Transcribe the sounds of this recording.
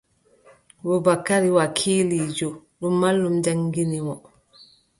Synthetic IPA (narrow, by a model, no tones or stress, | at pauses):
bɔbakːaɾiwakʰiːlid͡ʒɔɗumːalːumd͡ʒaŋɡinimɔ